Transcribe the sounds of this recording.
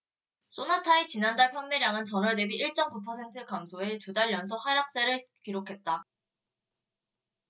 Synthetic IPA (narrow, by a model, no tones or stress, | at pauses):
s͈onatʰait͡ɕinandaɭɸʰjʌmːeɾjaŋɯnt͡ɕʌnʌɭdebiʔiɭt͡ɕ͈ʌmkupʰʌsʰe̞ntʰɯkamsʰoe̞tudaɭjʌns̬ʰohaɾjak̚s͈eɾɯɭkiɾokʰe̞t̚t͈a